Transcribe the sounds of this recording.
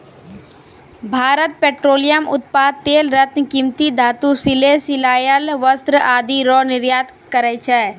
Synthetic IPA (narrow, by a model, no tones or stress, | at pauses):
bʱaːɾət̪̚peːʈɾoːlijəmʊ̰t̪̚paːd̪̚t̪eːlɾət̪nkĩmt̪id̪ʱaːt̪usɪlesɪlaːjəlʋəst̪ɾəaːd̪ʱiɾɔːnɪɾjaːt̪ | kəɾɛt͡ʃʰɛː